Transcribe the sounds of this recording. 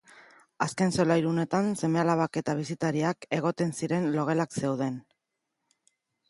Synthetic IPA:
aske̞nso̞lajɾune̞t̪anse̞me̞alaβake̞t̪aβ̞isit̪aɾiake̞ɣ̞o̞t̪e̞nsiɾe̞nlo̞ɣe̞lakse̞wð̞e̞n

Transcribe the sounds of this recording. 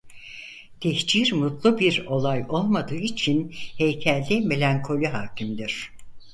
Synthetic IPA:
t̪ʰɛçt͡ʃiɾmut̪lˠubiɾo̞lˠajo̞lˠmad̪ɯːit͡ʃʰinhejcʰɛlʲd̪ʲɛme̞lʲaŋkʰo̞lʲiɦaːcʰimd̪iɾ̥

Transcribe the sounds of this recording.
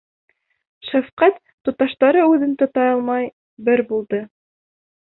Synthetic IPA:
ʃæfqæt̪ːŏt̪ɑʃt̪ɑɾɤʉðɘnt̪ŏt̪ɑjɑlˠmɑj | bɘɾbulˠd̪ɤ

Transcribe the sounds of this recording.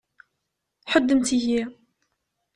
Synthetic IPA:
ħəd̪ːəmt̪iʝi

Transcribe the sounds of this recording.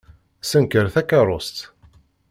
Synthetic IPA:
sənkəɾθækːɑɾˤost̪

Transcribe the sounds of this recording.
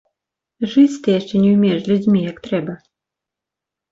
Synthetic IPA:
ʐɨt͡sʲt̪ɨjaʂt͡ʂɛnʲɛwmʲɛʂlʲud͡zʲmʲijɐkt̪ɾɛbɐ

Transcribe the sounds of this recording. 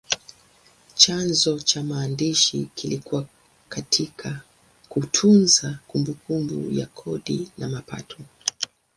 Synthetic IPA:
t͡ʃanzɔt͡ʃamaːndiʃḭkilikuwa | katʰikʰa | kutʰunzakumbukumbṵja̰kʰɔɗinamapa̰tʰɔ

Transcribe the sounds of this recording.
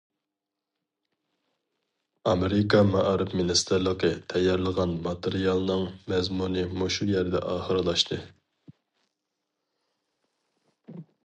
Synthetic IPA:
ɑmeɾɪkʰɑmɑʔɑɾɨpminist̪ʰɨɾlˠəqət̪ʰɛjːɛɾlˠəʁɑnmɑt̪ʰeɾijɑlˠnɨŋmɛzmunɨmuʃujɛɾd̪ɛ̰ʔɑːχəɾɨlˠɑʃt̪ʰɨ

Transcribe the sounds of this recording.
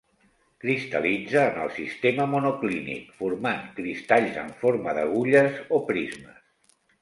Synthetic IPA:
kɾist̪ə̰lid͡zəːnə̰lˠsist̪eməmunuklinḭkfuɾmaŋkɾist̪aʎzə̰ɱfoɾməðəɣ̞uʎəzopɾizməs

